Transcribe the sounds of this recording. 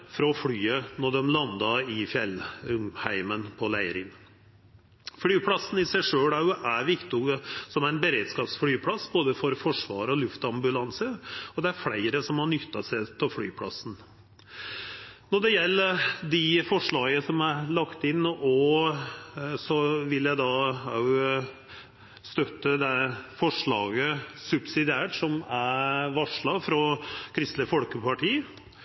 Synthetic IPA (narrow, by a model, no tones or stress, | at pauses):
fɾɑfɽyːənɔɖɛmlɑnd̪ɑɪfjɛlːɾʉmhæɪmənpʰɔlæɪɾɪn | fɽyːpʰlɑsn̩ɪsæɪʂøːlæɾjʊʔæɾʋɪkt̪ɪʊɡəsɔmæɪnbəɾeːd̪skɑːpsfɽyːpʰlɑsboːd̪əfɔɾfɔʂʋɑ̰ːɾəɔlʉft̪ɑmbʉlɑnsəɔd̪ɛæɾflæɪɾəsɔmhɑɳʏt̪ːɑsæɪt̪ʰɪlfɽy̰ːpʰlɑ̰sn̩ | nɔɖɛjɛlːəɾd̪ɪfɔʂɭɑːɡəsɔmæɾlɑkt̪ɪnːɔ | sɔʋɪljæɪd̪ɑ | st̪œt̪ːəd̪ɛfɔʂɭɑːɡəsʉbsɪd̪ɪæːʈsɔmæɾʋɑʂɭɑfɾɑkʰɾɪst̪ləfɔlkəpɑʈʰiː